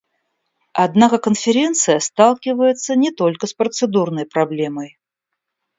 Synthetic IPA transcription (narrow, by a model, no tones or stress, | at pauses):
ɐd̪nakəkənfʲɪɾʲent̪sɨjəst̪alˠkʲɪvəjɪt̪sənʲɪt̪o̞lʲkəspɾət̪sɨd̪urnəjpɾɐblʲe̞məj